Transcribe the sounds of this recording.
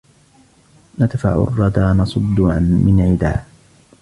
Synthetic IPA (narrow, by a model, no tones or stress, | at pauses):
nat̪fa̰ʕʊ̰rˤːɑd̪aːnɑsˤʊd̪ːʊʕa̰nmɪnʕɪd̪aː